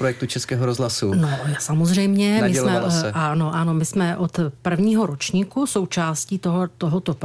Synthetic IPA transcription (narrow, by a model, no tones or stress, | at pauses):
pɾojɛk̚t̪ut͡ʃɛskɛːɦoɾozlasunojasamozrɛjmɲɛmɪɛlmɛsɛano̞ʔano̞mɪsmɛʔot̪pr̩vɲiːɦo̞ɾo̞t͡ʃɲikuso̞wt͡ʃaːsciːt̪oɦt̪oɦot̪o̞